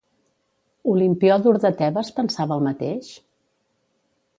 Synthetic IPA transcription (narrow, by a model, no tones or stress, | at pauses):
ulimpiɔðuɾðət̪ɛβəspənsaβəːlˠmət̪eʃ